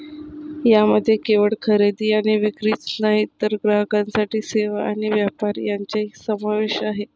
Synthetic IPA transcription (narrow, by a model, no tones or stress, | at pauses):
jaməd̪ʱːjekeʋəɭkʰəɾed̪iːaɽ̃iʋikɾiːt̪səɦit̪ːəɾɡɾaɦəkãnsaʈiːseʋaaɽ̃iʋjapaɾjaɲt͡ɕaisəmaʋeɕaɦe